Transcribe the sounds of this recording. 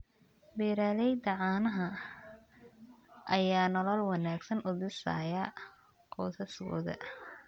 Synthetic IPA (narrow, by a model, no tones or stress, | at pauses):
biːɾaːlɛjd̪ɐʕɑːnɐɦɐ | ʔɐjaːnɔlɔlwɑnaːɡsɐnʔʊðɪsa̰ːja | qɔːsɐskʰɔ̰ːðɐ̰